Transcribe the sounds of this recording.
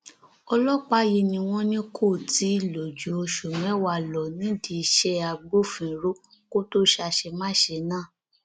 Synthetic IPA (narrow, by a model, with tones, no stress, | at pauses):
ɔ˧lɔ˦k͡pa˦ji˧nĩ˧w̃ɔ̃˦nĩ˦kʰo˦˨ti˨˦˨lo˨d͡ʒu˨˦o˧ʃu˨mɛ̃˨˦wa˧˨lɔ˨nĩ˨˦di˧i˧ʃɛ˦a˧ɡ͡bo˦fĩ˨ɾo˦ko˦to˦ʃa˧ʃe˧mãː˦˨ʃe˧nãː˦˨